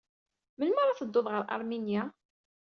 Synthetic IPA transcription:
məlməɾˤaθəd̪ːoðʁəɾˤʔɑ̰ɾˤminja

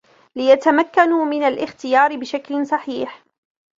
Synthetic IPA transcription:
lɪjat̪amakːanumɪnalʔɪxt̪ɪjɑːɾɪbɪʃaklɪsˤɑħiːħ

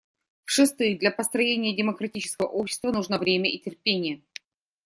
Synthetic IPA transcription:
fʂɨst̪ɨɪd̪lʲɐpəst̪ɾɐjenʲɪjədʲɪməkɾɐtʲit͡ɕɪ̥skəvə̰ʔopɕːɪ̥st̪vənuʐnəvɾʲemʲəʔitʲɪrpʲenʲɪjə

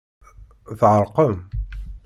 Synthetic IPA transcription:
θʕəɾˤqəm

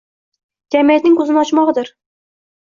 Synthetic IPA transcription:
d͡ʒʲamijat̪nɪŋkɵzɪnɒt͡ʃmɒʁd̪ɪɾ

